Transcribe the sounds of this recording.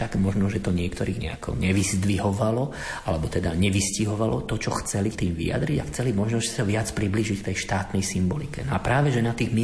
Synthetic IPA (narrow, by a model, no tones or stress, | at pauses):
t̪aɡmɔʒnɔʒɛt̪ɔɲɪɛkt̪ɔɾiːɣɲɛ̰a̰kʰɔ̰ɲɛʋizd̪ʋiɦɔʋalɔ | ʔalɛbɔt̪ɛd̪aɲɛʋisciɦɔʋalɔt̪ɔt͡ʃɔxt͡sɛlit̪iːmʋḭja̰d̪ɾiɟaxt͡sɛlimɔʒnɔssaʋɪat͡spɾibliːʒickt̪ɛjʃt̪aːt̪nɛjsimbɔlikɛ̰nɔapɾaːʋɛʒɛnat̪iːɣmi